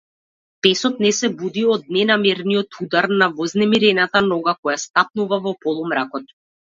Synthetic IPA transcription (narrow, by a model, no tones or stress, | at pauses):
pɛsɔt̪nɛsɛvud̪iɔd̪̚nɛnamɛɾnijɔt̪ʰud̪aɾnavɔznɛmiɾɛnat̪anɔɡakɔjast̪ap̚nuvavɔpɔlˠumɾakɔt̪